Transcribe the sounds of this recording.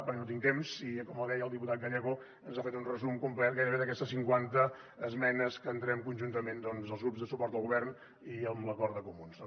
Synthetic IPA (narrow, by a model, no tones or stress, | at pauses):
pəɾknot̪̬iŋt̪emsikɔməlˠðɛjəlˠd̪iput̪at̪̚ɡəʎɛɣu | ənzafet̪unrəzumkumplɛt̪̚ɡajɾəβeðəkɛst̪əsiŋkwant̪əː | zmɛnəskəːnt̪ɾɛmkunʲʒunt̪əmend̪ɔnzəlˠzɣɾupzðəsupɔɾt̪əlˠɣuβɛrn | iəmləkɔɾt̪əkumuns